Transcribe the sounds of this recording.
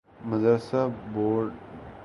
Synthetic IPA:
məd̪ɾsaboːɾɖ

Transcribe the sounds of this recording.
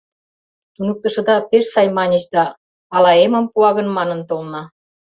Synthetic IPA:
t̪unuk̚t̪ə̆ʃɤ̆d̪ɑpeʃsɑjmɑnʲə̆ɕd̪ɑː | lɑemə̆mpuɑɣə̆nmɑnə̆nt̪olnɑ

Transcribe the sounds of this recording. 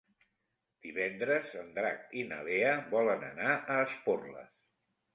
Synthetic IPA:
d̪̥iβɛnd̪ɾəzənd̪ɾa̰k̚inə̰βeəβɔlənə̰naʔəːsporlə̰s

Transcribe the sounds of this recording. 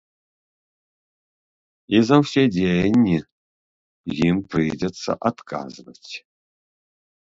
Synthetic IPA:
izɐwsedʲejnʲːi | jimpʰrɨdɐt͡sʰɐ̰ʔat̪kʰʼa̰ːzɨvɐtʰʲ

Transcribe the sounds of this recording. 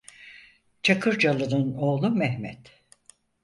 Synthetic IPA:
t͡ʃʰakʰɯɾd͡ʒalˠɯnɯno̞ːlˠumɛhmɛ̰t̪

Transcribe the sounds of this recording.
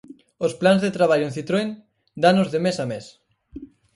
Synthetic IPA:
osplanzðet̪ɾaβ̞aʎoʊẽnθit̪ɾoen | d̪anozðemesames

